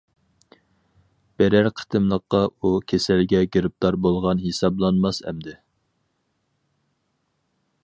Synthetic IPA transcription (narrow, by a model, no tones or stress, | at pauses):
b̥ɛɾæɾqʰə̥t̪ʰɨmlˠəqːɑukʲʰesælɡʲɛɡʲeɾɪp̚t̪ɑɾbolˠʁɑnɦesɑblˠɑnmɑsɛ̰md̪ɪ